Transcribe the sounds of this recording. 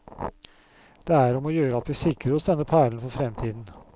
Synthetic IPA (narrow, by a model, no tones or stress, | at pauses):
d̪̥eːæɾɔmoːjøːɾəɑt̪ʋiːsɪkɾəɾɔsɛnːəpʰæːɭnfɔfɾɛmt̪ʰiːd̪n̩